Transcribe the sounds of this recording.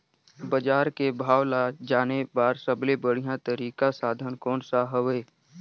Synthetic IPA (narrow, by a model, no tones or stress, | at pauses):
bəd͡ʒaːɾkebʱaːwlad͡ʒaːnebaːɾsəblebəɽ̤ijãt̪əɾiːkasaːd̪ʱənkɔːnsaɦəʋeː